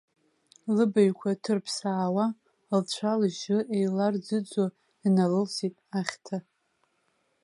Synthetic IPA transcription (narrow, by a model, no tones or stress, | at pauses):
lɨbajkʷʰatʰɨrpʰsaːwa | lt͡ɕʷʰalʒɪʔejlard͡zɨd͡zo | inalɨlsitʼaχʲtʰa